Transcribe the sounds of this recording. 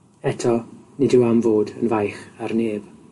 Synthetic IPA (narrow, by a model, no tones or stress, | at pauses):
ɛtʰɔnɪdɪwamvoːdənvajχarneːb̥